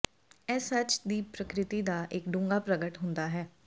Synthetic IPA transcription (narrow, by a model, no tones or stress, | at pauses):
ɛːsət͡ʃd̪iːpɾəkɾɪt̪iːd̪aːʔɪkɖʊ̃ːŋɡaːpɾəɡəʈɦʊ̃nd̪aːɦɛː